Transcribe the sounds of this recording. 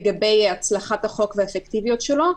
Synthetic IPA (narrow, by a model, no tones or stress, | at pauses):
ɡabe̞jat͡slaχataχo̞kveefekt̪ivijo̞t̪ʃelo̞